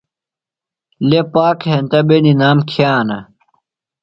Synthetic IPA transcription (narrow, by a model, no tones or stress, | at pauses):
lepaːkɦent̪ɐbeninaːmkʰjaːnɐ